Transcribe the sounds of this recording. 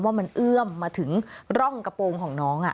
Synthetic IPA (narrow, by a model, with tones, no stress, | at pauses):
mwaː˥˩ma˧nʔɯ˥˩əmːaː˧t̪ʰɯ˩˦ŋɾɔ˥˩ŋka˧poː˧ŋkʰɔː˩˦ŋnɔː˦˥ŋʔa̰˨˩